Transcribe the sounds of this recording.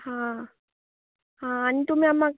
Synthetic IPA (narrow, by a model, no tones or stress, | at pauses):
hã | ɦãːnit̪um̤iamːak